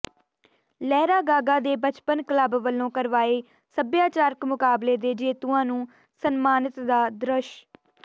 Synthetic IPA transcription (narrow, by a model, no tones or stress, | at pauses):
lɛːɾaːɡaːɡaːd̪eːbət͡ʃpənkləbʋəlːõːkəɾʋaːeː | səbjaːt͡ʃaːɾəkmʊkaːbleːd̪eːd͡ʒeːt̪uːãːnũː | sənmaːnɪt̪d̪aːd̪ɾəʃ